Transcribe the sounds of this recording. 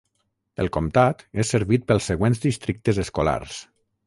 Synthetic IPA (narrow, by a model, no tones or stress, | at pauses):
əlˠkomt̪at̪esːeɾβit̪̚pəlˠsːeɣwenzðist̪ɾik̚t̪əzəskola̰ɾs